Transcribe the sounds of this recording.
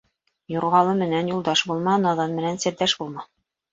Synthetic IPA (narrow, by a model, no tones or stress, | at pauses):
jŏɾʁɑlˠɤmɘ̆nænjulˠd̪ɑʃbulˠmɑnɑðɑnmɘ̆nænsɘ̆ɾd̪æʃbulˠmɑ